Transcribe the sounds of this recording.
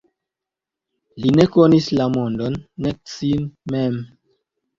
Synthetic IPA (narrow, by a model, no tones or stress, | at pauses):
line̞konislamondonːek̚sinmem